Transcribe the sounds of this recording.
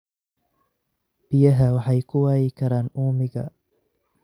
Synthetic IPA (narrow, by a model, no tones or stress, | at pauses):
b̥ijɐɦaːwaħajkuwaːikɐɾaːnuːmiɡa̰